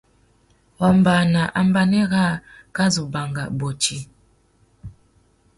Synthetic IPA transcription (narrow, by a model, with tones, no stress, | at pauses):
ɔ˨mba˨na˨ʔa˦m˦ba˦nɛ˦ɣa˦˨ka˦zu˨ba˨ŋɡa̰˨bo˨t͡ʃi˦